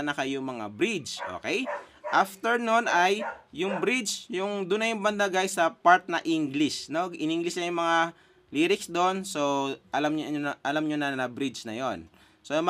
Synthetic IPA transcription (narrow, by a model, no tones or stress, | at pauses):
ɐnɐkɐjʊŋmɐŋa̰bɾit͡ʃʔo̰ːkɛjʔaft̪ɛɹnonʔɐjːʊŋbɾit͡ʃjʊŋd̪ʊnːɐjʊŋbɐnd̪ɐɡajsɐpaɹt̪̚nɐʔiŋɡlɪʃno̞ʔɪniŋɡlɪsɲɐjʊŋmɐŋa | liɾɪksd̪onso̞ʔɐlamɲʔɐlamɲonɐnɐbɾit͡ʃnɐ̰jon | som